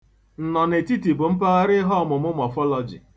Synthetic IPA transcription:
n̩˨nɔ˨ne˨ti˦ti˨bʊ˨m̩˦pa˦a˦ɾɪ˦ɦɔ˦ɔ˨mʊ˨mʊ˦mɔ˨fɔ˦lɔ˨d͡ʒḭ˨

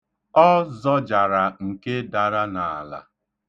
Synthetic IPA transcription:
ɔ˦zɔ˦d͡ʒa˨ɾa˨ŋ̩˨ke˦da˨ɾa˦na˨la̰˨

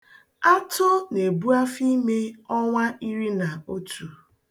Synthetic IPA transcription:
a˦tʊ˦ne˨bu˦a˦fi˦me˦ɔ˦ŋʷa˦i˦ɾi˦na˨o˦tu˨

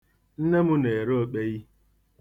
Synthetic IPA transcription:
n̩˦ne˦mʊ˦ne˨ɾo˦o˦˨k͡pe˦ji˦

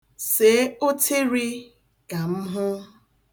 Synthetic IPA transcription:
se˨˦o˦tʰe˦ɾi˦ | ka˨m̩˦ɦʊ˦

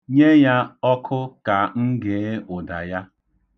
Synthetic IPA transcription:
ɲe˦ja˦ɔ˦kʰʊ˦ka˨ŋ̩˦ɡe˨˦ʊ˨da˨ja˦

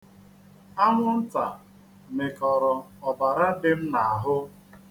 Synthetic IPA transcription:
a˦ŋʷʊ˦n̩˦ta˨ | me˨kɔ˨ɾɔ˨ɔ˨ba˨ɾa˦dɪ˦m̩˦na˨a˨ɦʊ˦

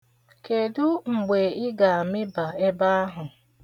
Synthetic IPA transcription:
ke˨dʊ˦ŋ͡m̩˨ɡ͡be˨ɪ˦ɡa˨a˨mɪ˦ba˨e˦ba˦a˦ɦʊ˨

